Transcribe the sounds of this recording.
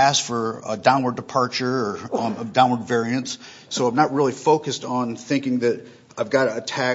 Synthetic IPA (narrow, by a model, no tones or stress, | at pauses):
æsfə˞dãʊ̃nwə˞dəpʰɑɹt͡ʃə˞dãʊ̃nwə˞dvɛɹiɨ̃ntsː | oʊãɪ̃mnət̚ɹɪlˠifoʊkɨstn̩θɪ̃ŋkɪ̃ŋðɨɾ | aɪvɡɑɾɨːtʰæ